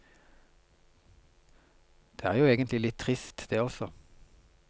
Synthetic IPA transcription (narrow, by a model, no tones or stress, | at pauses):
d̪̥eːæːʁjuːeːɡənt̪lɪlɪt̪ʰʁɪst̪ʰd̪eːɔsɔ